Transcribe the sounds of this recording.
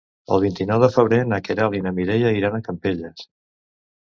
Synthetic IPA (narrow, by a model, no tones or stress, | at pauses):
ə̰lˠβ̞int̪inɔwðəfəβ̞ɾenakeɾalinəmiɾejəiɾanəkəmpeʎəs